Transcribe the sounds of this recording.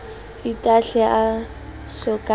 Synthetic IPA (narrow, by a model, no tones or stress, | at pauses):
itʼaɬɛʔa | sʊkʼa